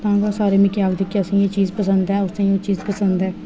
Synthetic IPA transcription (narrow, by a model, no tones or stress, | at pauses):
t̪ãːɡasaːɾeːmɪkjaːɡd̪ɪkːasẽet͡ʃiːzpəsə̃nd̪ɦɛːʊsẽjot͡ʃiːzpəsə̃nd̪ɦɛː